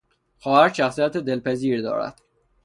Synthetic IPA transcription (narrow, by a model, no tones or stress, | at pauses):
xɒːhæɾʃæxsijæt̪ʰed̪e̞lpæziːɾd̪ɒ̰ːɾæ̰d̪̥